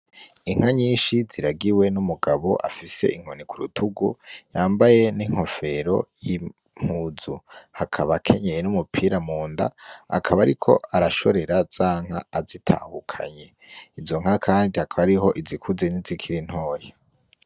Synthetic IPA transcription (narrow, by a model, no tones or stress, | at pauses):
iŋ̥haɲiːnʃiziɾaɡiwe̞numuɡaβo̞̰ʔa̰fise̞̰ʔiŋ̥o̞nikuɾutʰuɡujaːmbaje̞niŋ̥ho̞fe̞ɾo̞ji | m̥huːzuhakʰaβakʰe̞ɲejenumupʰiːɾamuːnda̰a̰kʰaβaɾikʰo̞̰aɾaʃo̞ɾe̞ɾaz̥aːŋ̥a̰ːzitʰa̰ːhukʰa̰ɲe̞ | izo̞ŋ̥akʰaːndiakʰaβaɾiɦo̞ʔizikʰuze̞nizikʰiɾin̥ho̞ːje